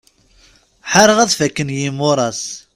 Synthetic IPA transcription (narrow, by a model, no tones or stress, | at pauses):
ħaɾˤəʁæðfækːənjimʊɾˤɑs